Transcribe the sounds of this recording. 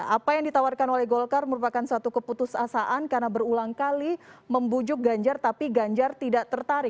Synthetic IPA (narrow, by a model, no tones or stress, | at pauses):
apajaŋdit̪awarkanolɛhɡolkarməɾupakansat̪ukəput̪usasaʔankarnabərulaŋkaliməmbud͡ʒʊk̚ɡaɲd͡ʒart̪apiɡaɲd͡ʒart̪idaʔt̪ərt̪aɾɪ